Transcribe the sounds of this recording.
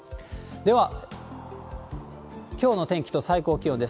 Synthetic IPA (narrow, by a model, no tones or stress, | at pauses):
d̪e̞βa | kʲo̞ːno̞t̪ẽ̞ŋkʲi̥t̪o̞saiko̞ːkʲijõ̞nd̪e̞s